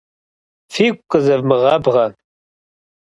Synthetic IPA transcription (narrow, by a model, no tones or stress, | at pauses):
fiːkʷʼqʼəzɐvmɨʁɐbʁɐ